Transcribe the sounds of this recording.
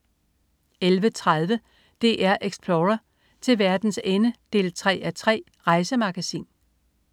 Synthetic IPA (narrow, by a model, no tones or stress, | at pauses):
elʋət͡sʰʁað̞ˠʋə | d̥e̝̰ʔæɐʔeɡ̥spʰloːʁɐ | t͡sʰe̝lʋæɐd̥n̩senəd̥e̝̰ːlt͡sʰʁɛ̰ːæt͡sʰʁɛ̰ː | ʁɑ̈ɪsəmɑ̈ɡ̥æsḭːn